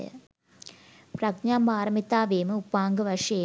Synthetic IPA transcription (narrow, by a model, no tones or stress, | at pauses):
prɐɡɲaːmbaːɾɐmit̪ːaːʋeːmɨupːaːŋɡɨʋɐʂe